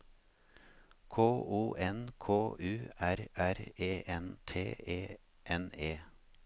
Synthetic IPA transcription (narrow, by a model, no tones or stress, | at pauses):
kʰoːʔuːʔɛnkʰoːʔʉːæɾæɾeːʔɛnt̪ʰḛːeː | ʔɛneː